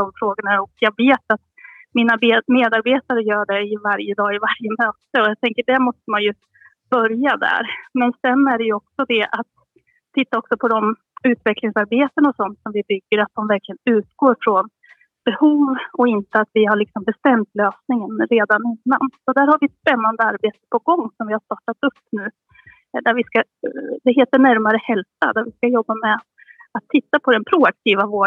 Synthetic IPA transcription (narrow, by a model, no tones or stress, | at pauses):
d̪̥ɔmfɾoːɡəɳaɔkjɑɡveːt̪at̪mɪnabmeːd̪aɾbeːt̪aɾəjœːɖɛɪvaɾjəd̪ɑːɪvaɾjəmøːt̪əɔjat̪ʰɛŋkəɖæmɔst̪əmanjɵ | b̥œɾjad̪æ̰ɾmɛnsɛnːæɖɛjɵɔksɔd̪ɛʔat̪ʰː | ɪt̪ːaɔksɔpʰɔd̪ɔm | ʉ̟ːt̪vɛklɪŋsaɾbeːt̪ənɔsɔnt̪sɔmvɪbʏɡːəɾat̪̚d̪ɔmvæɾkʰlɪɡənʉ̟ːt̪ɡoːɾfɾɔn | b̥ɛhuːvɔɪnt̪əat̪vɪɦaɭɪksɔmbɛst̪ɛmt̪løːsnɪŋənɾeːd̪anɪnːa̰nsɔd̪æːɾhaɾvɪɛt̪spɛnːand̪əaɾbeːt̪ə̥pʰɔɡɔŋːsɔmvɪhast̪ɑːʈːat̪ɵpːnʉ̟ː | d̪æɾvɪskad̪ɛɦeːt̪əɳæɾmaɾəhɛlsa̰d̪æɾvɪskajɔbːamɛ | at̪ʰːɪt̪ːapʰɔd̪ɛnpʰɾʊak̚t̪ʰiːvavoː